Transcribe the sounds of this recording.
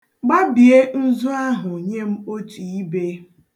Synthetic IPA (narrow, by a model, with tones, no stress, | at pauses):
ɡ͡ba˦bi˨e˦n̩˦zu˦a˦ɦʊ˨ɲe˦m̩˦o˦tu˨i˦be˦